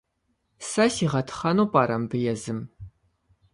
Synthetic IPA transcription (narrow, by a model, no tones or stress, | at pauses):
sɐsiːʁɐtʰχɐnuːpʼaːɾɐmbɨjɛzɨm